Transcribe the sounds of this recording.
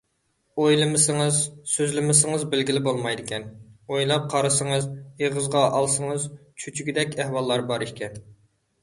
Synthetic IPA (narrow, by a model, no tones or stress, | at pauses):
ojlˠɨmɨsɪŋɨzsøzlɪmɪsɪŋəzbɪlɡʲilɪbolˠmɑjd̪ɪkʲʰɛnojlˠɑp̚qʰɑɾɨsəŋəzjeʁəzʁɑʔɑlˠsəŋəzt͡ʃʰyt͡ʃʰyɡʲid̪ɛkʲæhwɑlˠːɑɾbɑɾiʃkʲɛn